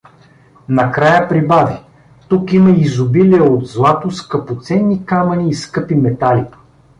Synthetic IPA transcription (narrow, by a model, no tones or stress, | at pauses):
nɐkɾajəpɾibavi | t̪ukimɐizʊbiliɛod̪zlˠat̪ʊskɐpot̪sɛnːikamɐniːskɤpimɛt̪alʲi